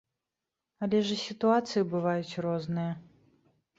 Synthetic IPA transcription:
ɐlʲɛʐɨsʲit̪uat̪sɨjibɨvajut͡sʲrɔznɨjɐ

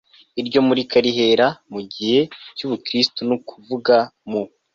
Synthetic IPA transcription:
iɾɟo̞muɾikaɾiɦe̞ɾamuɟihe̞cuβukɾistunukʰuvuɡamu

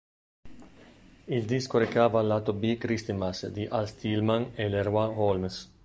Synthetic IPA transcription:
ild̪iskoɾekaːvalat̪obikɾist̪imasd̪iʔalst̪ilmaneleɾwaholms

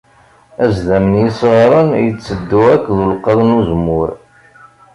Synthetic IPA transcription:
æzðæmənjisˤʁɾˤənjət͡sːəd̪ːuækːðulqːɑðˤnuzmːʊɾ

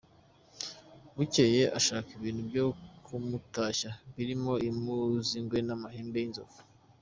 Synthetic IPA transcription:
βuce̞jeʔaʃaːkiβiːn̤̥ubjo̞kʰumutaːʃaβiɾimo̞imuziŋɡwe̞namaheːmbe̞jinzofu̥

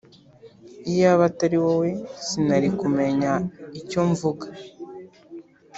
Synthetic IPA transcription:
ijaβataɾiwowesinaɾikume̞ɲaicoɱvuɡa

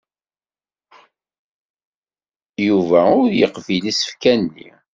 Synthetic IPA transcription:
juvæʊɾjəqvilisə̥fkænːḭ

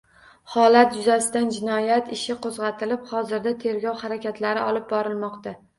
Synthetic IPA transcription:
hɒlat̪̚d͡ʒʊzasɪd̪and͡ʒɪnɒjat̪ʰɪʃɪqʰozʁɑt̪ʰɪlɪphɒzɪɾd̪at̪ʰe̞ɾɡʲɒwhaɾakʲat̪ʰlaɾɪɒlˠɪp̚bɒɾɪlmɒqt̪a

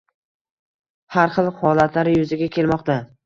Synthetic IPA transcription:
haɾχɨlˠhɒlat̪ʰlaɾɪjɵzɪɡʲakʲʰe̞lmɒqt̪a

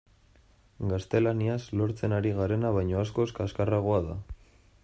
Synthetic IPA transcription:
ɡast̪e̞laniaslo̞ɾt͡se̞naɾiɣaɾe̞naβajɲo̞asko̞skaskaraɣ̞oaða

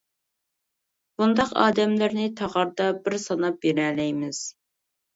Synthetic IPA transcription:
b̥und̪ɑqɑ̰ːd̪ɛmlɪɾnɪt̪ʰɑʁɑɾd̪ɑbɪɾsɑnɑp̚jeɾɛlɛjmɪz̥

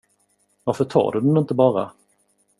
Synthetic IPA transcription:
vaɾfəʈʰɑ̰ːɖɵd̪ɛnɪnt̪əbɑːɾa̰

